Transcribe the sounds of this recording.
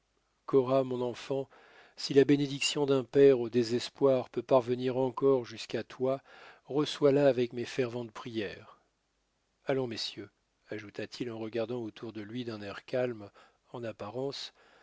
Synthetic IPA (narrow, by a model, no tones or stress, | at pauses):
kɔʁamɔ̃nɑ̃fɑ̃ | silabened̪iksjɔ̃d̪ɛ̃pɛʁod̪ezɛspwaʁpøpaʁvəniʁɑ̃kɔʁʒyskat̪waʁəswalaːvɛkmefɛʁvɑ̃t̪̚pχijɛːʁ | alɔ̃mesjø | aʒut̪at̪ʰilɑ̃ʁəɡaʁd̪ɑ̃ot̪ʰuʁd̪əlɥid̪ɛ̃nɛʁkalm | ɑ̃napaʁɑ̃s